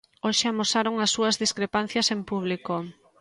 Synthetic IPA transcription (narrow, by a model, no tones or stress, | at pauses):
oʃeamosaɾoŋɐsːuɐzðiskɾepan̟θjɐsempuβ̞liko